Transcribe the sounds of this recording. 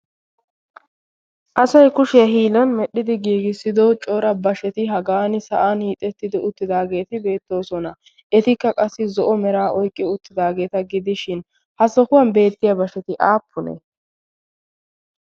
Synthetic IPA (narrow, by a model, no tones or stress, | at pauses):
ʔɐsɐjkʊʃɪjɐɦiːlɐnmɛɗːɪd̪ɪɡiːɡɪsːɪd̪ot͡ʃʼoːɾɐbɐʃɛt̪ɪɦɐɡaːnɪsɐ̰ʔanhiːt̪ʼːɛt̪ːɪd̪ɪʔʊt̪ːɪd̪aːɡe̞ːt̪ɪbe̞ːt̪ːo̞ːsɔnɐ | ʔɛt̪ɪkːɐkʼɐsːɪzɔʔɔmɛɾaːʔɔjkʼːɪʊt̪ːɪd̪aːɡe̞ːt̪ɐɡɪd̪ɪʃɪn | hɐsɔkʊwɐnbe̞ːt̪ːɪjɐbɐʃɛt̪ɪʔaːpʰːʊnḛ